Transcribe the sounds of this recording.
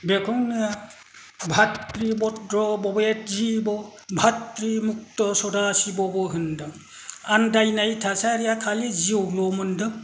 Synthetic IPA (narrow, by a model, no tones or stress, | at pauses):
bekʰɔŋnɯja | bʱatɾibɔtdɾɔbɔbet̚zibɔ | bʱatɾimuk̚tɔsɔdasibɔbɔɦɯndɯ | andajnajtʰasaɾijakʰaleziowlɔmɯndɯ